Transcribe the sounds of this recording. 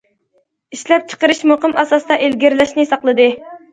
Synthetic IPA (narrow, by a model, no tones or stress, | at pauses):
iʃlɛp̚t͡ʃʰə̥qəɾɨʃmoqɨmɑsɑsd̪ɑʔelɡʲɪɾlɛʃnɪsɑqlˠɨd̪ɨ